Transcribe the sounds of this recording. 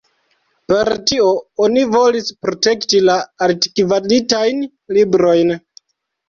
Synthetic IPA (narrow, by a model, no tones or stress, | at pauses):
pe̞ɾtio̞onivo̞lispɾo̞te̞ktilaaɾti̥kivalitajn | libɾo̞jn